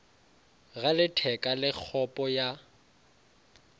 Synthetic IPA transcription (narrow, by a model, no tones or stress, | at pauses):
ɣalɪtʰɛkʼalɪk͡xʰɔpʼɔja